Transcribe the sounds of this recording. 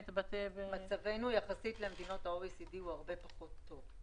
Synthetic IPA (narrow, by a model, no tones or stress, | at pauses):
t̪bat̪evmat͡save̞nujaχasitlemd̪ino̞thaojesidiuhaʁbe̞paχo̞tʰːo̞v